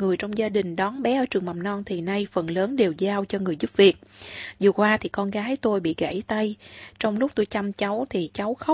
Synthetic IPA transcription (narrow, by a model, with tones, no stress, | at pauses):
ŋɨ˨˩əjt͡ɕɔ˧wŋ͡mzaː˧ɗï˨˩ŋ̟ɗɔ˨˦nɓɛ˨˦ʔəː˧˩t͡ɕɨ˨˩əŋmɓa˨˩mnɔ˧nt̪ʰi˨˩na˧jfə˨˩nləː˨˦nɗe˨˩wzaː˧wt͡ɕɔ˧ŋɨ˨˩əjzu˦˥p̚vi˨˩ət̚zɨ˨˩əkwaː˧t̪ʰi˨˩kɔ˧nɣaː˨˦jt̪o˧jɓḭ˧˨ɣa̰˧˩jt̪a˧jt͡ɕɔ˧wŋ͡mlʊ˦˥k͡p̚t̪o˧jt͡ɕa˧mt͡ɕa˨˦wt̪ʰi˨˩t͡ɕa˨˦wxə˦˥